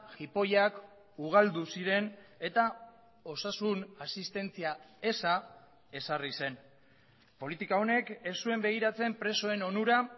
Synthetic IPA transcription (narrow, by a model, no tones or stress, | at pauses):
ʝipo̞jak | uɣ̞ald̪usiɾe̞ne̞t̪a | o̞sasunasist̪e̞nt͡siae̞sa | e̞sarise̞n | po̞lit̪ikao̞ne̞ke̞sːue̞mbe̞ɣ̞iɾat͡se̞mpɾe̞so̞e̞no̞nuɾa